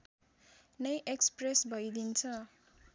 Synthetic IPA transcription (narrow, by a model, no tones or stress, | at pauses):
nʌjʔekspresbʱʌjd̪int͡sʰʌ